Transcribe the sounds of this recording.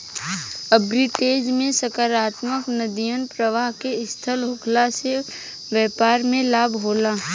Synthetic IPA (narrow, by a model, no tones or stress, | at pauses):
əbɾiʈeːd͡ʒmẽsəkaɾaːt̪məknəd̪ijənpɾəʋaːɦkeɪst̪ʰəlɦʊkʰlase | ʋjɛːpaːɾmẽlaːbɦoːlaː